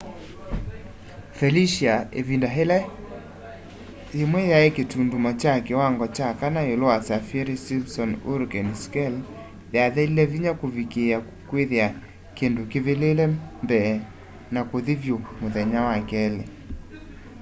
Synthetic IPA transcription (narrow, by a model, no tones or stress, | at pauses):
fɛliʃiaevindaɦelɛ | jemwɛjaeketundumat͡ʃakɛwaŋɡɔt͡ʃakanaeloasafɛɾesimsɔnuɾɡɛnskɛl | ðjaðɛilɛviɲakovikea | kweðea | kendokeβelelɛmbɛː | nakoðevjomoðɛɲawakɛlɛ